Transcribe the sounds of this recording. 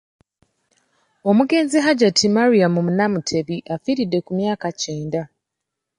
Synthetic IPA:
o̞muɡe̞ːnziɦaɟatʰimaɾiamumunamutʰe̞βiʔafiːɾidːe̞kumjaːkaceːnda

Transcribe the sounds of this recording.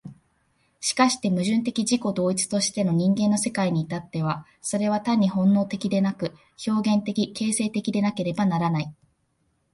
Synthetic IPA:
ɕi̥kaɕi̥t̪e̞mɯ̟ʑɨ̃nt̪e̞kʲid͡ʑiko̞d̪o̞ːit͡sɨ̥t̪o̞ɕi̥t̪e̞no̞ɲ̟ĩŋɡẽ̞nːo̞se̞kaiɲ̟iːt̪at̪ːe̞βa | so̞ɾe̞β̞at̪aɲ̟ːiɦõ̞nːo̞ːt̪e̞kʲid̪e̞nakɯ̟ | ço̞ːɡẽ̞nt̪e̞kʲike̞ːse̞ːt̪e̞kʲid̪e̞nake̞ɾe̞banaɾanai

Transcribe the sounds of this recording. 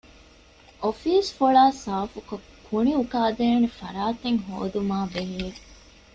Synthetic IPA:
ʔofiːsfuɭaːsaːfukokʰuɳiukaːd̪eːnefɐɾaːt̪eŋɦo̰ːd̪umaːbeɦie

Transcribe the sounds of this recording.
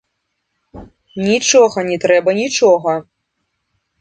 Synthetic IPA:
nʲit͡ʂɔɣɐnʲɛt̪ɾɛbɐnʲit͡ʂɔɣɐ

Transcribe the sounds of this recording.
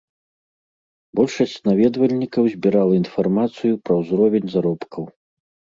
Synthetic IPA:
bɔlʲʂɐsʲt͡sʲnavʲɛd̪vɐlʲnʲikɐwzʲbʲiɾalˠɐinfarmat̪sɨjupɾɐwzɾɔvʲenʲzaɾɔpkʰɐw

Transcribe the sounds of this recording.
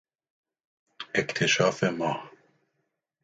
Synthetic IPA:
ekt̪ʰeʃɑːfemɑː

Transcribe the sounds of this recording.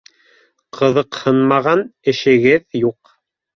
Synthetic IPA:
qʰɤ̆ðɤqhɤnmɑʁɑnɘ̆ʃɘ̆ɡɘðjuq

